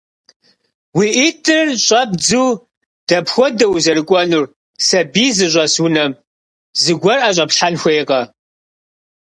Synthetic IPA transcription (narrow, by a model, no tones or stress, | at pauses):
wiːʔitʰɨrɕʼɐbd͡zuː | d̥ɐpxʷɔdɐwzɐɾɨkʷʼɔnur | sɐbiːzɨɕʷʼɐswʊnɐm | zɨɡʷɔrʔaɕʼɐpɬħanxʷeːqʼɐ